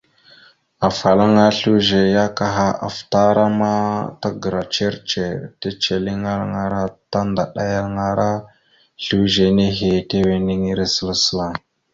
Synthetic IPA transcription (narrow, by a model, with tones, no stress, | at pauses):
a˨fa˨la˦ŋa˦ɬu˦ʒe˨ja˦ka˨ɦa˦a̰˨fta˦ɾa˦ma˦ta˦ɡə˨ɾa˨t͡ʃe˦ɾt͡ʃe˨ta˦t͡ʃe˨li˦ŋa˦lŋa˨ɾa˦ta˦nda˨ɗa˦ja˦lŋa˨ɾʔa˦ | ɬu˦ʒe˨ne˦ɦe˨te˦we˨ni˦ŋi˦ɾe˦sə˦la˦sə̥˦la˨